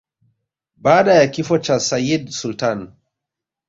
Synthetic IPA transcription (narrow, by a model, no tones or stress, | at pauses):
baːɗajakifɔt͡ʃasajidsultan